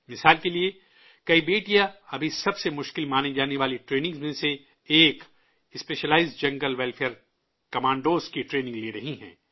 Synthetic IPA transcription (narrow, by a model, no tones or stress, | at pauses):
mɪsaːlkelie | kɐibeːʈijaɐbʱisɐbsemʊʃkɪlmaːned͡ʒaːneʋaːliʈɾeːnɪ̃ŋɡzmẽseː | k | ɪspeːʃəlaːɪzd͡ʒɐ̃ŋɡəlʋɛlfʰeːɾ | kɐmãːɳɖoːzkiʈɾeːnɪ̃ŋɡliːɾɐɦĩɦɛ̰̃ː